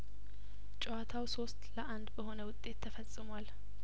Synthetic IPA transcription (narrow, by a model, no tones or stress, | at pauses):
t͡ʃʼɛwat̪ʰawso̞st̪ləʔand̪bəho̞nəwʊt̪ʼːe̞t̪ʰːəfəsʼːɨmwal